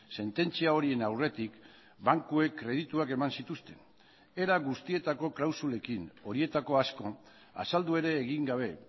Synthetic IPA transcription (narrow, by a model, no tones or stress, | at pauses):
se̞nt̪e̞nt͡siao̞ɾie̞nawre̞t̪ik | baŋkue̞kːɾe̞ðit̪uake̞mansit̪ust̪e̞n | eɾaɣust̪ie̞t̪ako̞klawsule̞kino̞ɾie̞t̪ako̞asko̞ | a̰sald̪ue̞ɾe̞ːɣiŋɡaβ̞e̞